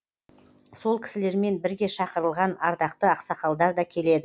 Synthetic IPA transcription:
so̞lˠkʲʰɪ̥sɪle̞ɾme̞nbɪɾɡʲe̞ʃɑqəɾəlˠʁɑnɑɾd̪ɑqt̪əɑqsɑqɑlˠd̪ɑɾd̪ɑkʲʰe̞le̞d̪ɪ

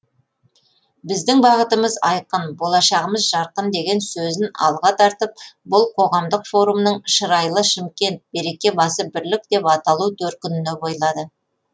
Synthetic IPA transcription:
bɪzd̪ɪŋbɑʁət̪əməzɑjqənbo̞lˠɑʃɑʁəməzʒɑɾqənd̪e̞ɡʲe̞nsɵzɪnɑ̰lˠʁɑt̪ʰɑɾt̪əp̚bʊlˠqʰo̞ʁɑmd̪əqfo̞ɾumnəɴʃəɾɑjlˠəʃɪmkʲe̞nt̪̚be̞ɾe̞kʲe̞bɑsəbɪɾlɪk̚d̪e̞pɑt̪ɑlˠut̪ʰɵɾt̪̚kʲʰʏnɪne̞bo̞jlˠɑd̪ə

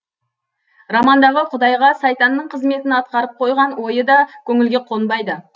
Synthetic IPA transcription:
rɑmɑnd̪ɑʁəqʰʊd̪ɑjʁɑsɑjt̪ɑnːəɴqʰəzme̞t̪ɪnɑt̪̚qɑɾəp̚qʰo̞jʁɑnwo̞jəd̪ɑkʲʰɵŋɪlɡʲe̞qʰo̞nbɑjd̪ə

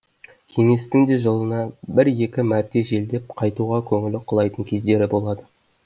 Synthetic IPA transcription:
kʲʰe̞ŋe̞st̪ɪŋd̪e̞ʒəlˠənɑbɪɾje̞kʲɪmæɾt̪e̞ʒe̞ld̪e̞p̚qʰɑjt̪uʁɑkʲʰɵŋɪlɪqʰʊlˠɑjt̪əɴkʲʰe̞zd̪e̞ɾɪbo̞lˠɑd̪ə

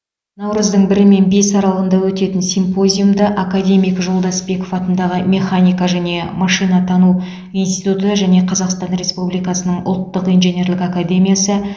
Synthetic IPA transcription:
nɑwɾəzd̪əɴbɪɾɪme̞nbe̞sɑɾɑlˠənd̪ɑwɵt̪e̞t̪ɪnsimpo̞zʲijumd̪əʔakad̪ʲe̞mʲijkʒo̞lˠd̪ɑsbe̞ko̞fɑt̪ənd̪ɑʁəmʲe̞χanʲijkaʒæne̞mɑʃijnɑt̪ʰɑnu | inst̪ijt̪ut̪əʒæne̞qʰɑzɑqst̪ɑnɾe̞spublijkɑsənəɴʊ̰lˠt̪ːəqijnʒenʲe̞ɾlɪkakad̪ʲe̞mʲijasə

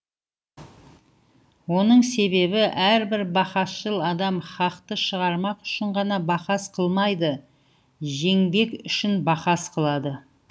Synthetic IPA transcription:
wo̞nəɴse̞be̞bɪʔæɾbɪɾbɑχɑsʃəlˠɑd̪ɑmχɑqt̪əʃəʁɑɾmɑqʏ̥ʃɪɴʁɑnɑbɑqɑsqʰəlˠmɑjd̪ə | ʒe̞ŋbe̞kʏʃɪnbɑqɑsqʰəlˠɑd̪ə

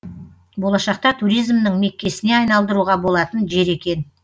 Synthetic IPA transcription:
bo̞lˠɑʃɑq̚t̪ɑt̪ʰuɾijzmnəŋme̞kʲːe̞sɪne̞ɑjnɑlˠd̪əɾuʁɑbo̞lˠɑt̪ənʒe̞ɾe̞kʲe̞n

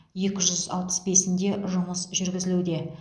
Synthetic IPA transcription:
je̞kʲɪʒʏzɑ̰lˠpə̥sbe̞sɪnd̪e̞ʒʊməsʒʏɾɡʲɪzɪlud̪e̞

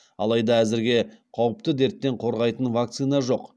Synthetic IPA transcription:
ɑ̰lˠɑjd̪ɑæzɪɾɡʲe̞qʰɑwəp̚t̪əd̪e̞ɾt̪ːe̞ɴqʰo̞ɾʁɑjt̪ənvak̚t̪sɨjnɑʒo̞q

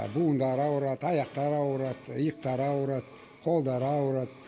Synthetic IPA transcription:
bund̪ɑɾɑwɾɑt̪ɑjɑqt̪ɑɾɑwɾɑt̪jəq̚t̪ɑɾɑwɾɑt̪̚ | qʰolˠd̪ɑɾɑwɾɑt̪̚

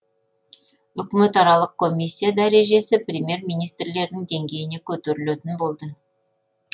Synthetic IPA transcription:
ʏkʲɪme̞t̪ɑɾɑlˠəq̚kʰo̞misʲːijad̪æɾe̞ʒe̞sɪprʲemʲje̞ɾmijnijst̪rle̞ɾd̪ɪŋd̪e̞ŋɡʲe̞jɪne̞kʲʰɵt̪eɾɪlet̪ɪnbo̞lˠd̪ə

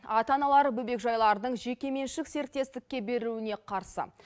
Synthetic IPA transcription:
ɑt̪ɑnɑlˠɑɾbɵbe̞kʒɑjlˠɑɾd̪əɴʒe̞kʲe̞me̞nʃɪkse̞ɾk̚t̪ːe̞st̪ɪk̚ʲːe̞be̞ɾuɪne̞qʰɑɾsə̰

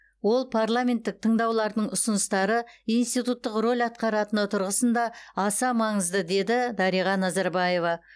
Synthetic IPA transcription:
wo̞lˠpʰaɾlˠamʲe̞nt̪ːɪk̚t̪ʰəɴd̪ɑwlˠɑɾd̪əɴʊsənəst̪ɑɾəijnst̪ijt̪ut̪ːəqro̞lʲɑt̪̚qɑɾɑt̪ənot̪ʰʊɾʁəsənd̪ɑɑsɑmɑɴəzd̪əd̪e̞d̪ɪd̪ɑɾijʁɑnɑzɑɾbɑje̞vɑ

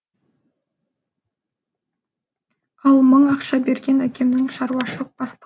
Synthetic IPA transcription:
ɑlˠməɴɑqʃɑbe̞ɾɡʲe̞nækʲʰe̞mnɪŋʃɑɾuɑʃəlˠəq̚b̥ɑst̪

